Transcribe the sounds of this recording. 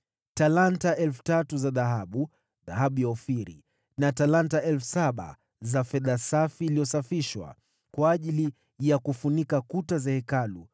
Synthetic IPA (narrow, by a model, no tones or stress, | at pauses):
talantaʔɛlfu̥tatuzaðaɦaɓu | ðaɦaɓujaɔfiɾḭ | natalantaʔɛlfu̥saɓa̰ | zafɛðasafiːlijɔsafiʃwa̰ | kwaːʄili | jakufunikakutazahɛkalu